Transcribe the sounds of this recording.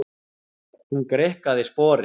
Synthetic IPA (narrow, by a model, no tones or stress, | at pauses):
hunkɾehkaðɪspɔːɾɪ